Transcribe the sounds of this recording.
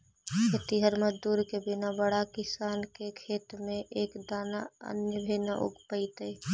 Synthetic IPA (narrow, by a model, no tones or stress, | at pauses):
ət̪iɦəɾməd͡ʒd̪uːɾkebɪnabəɽakɪsaːnkekʰeːt̪mẽʔeːkd̪aːnaə̰njəbʱenaʔʊ̰ɡpəit̪ə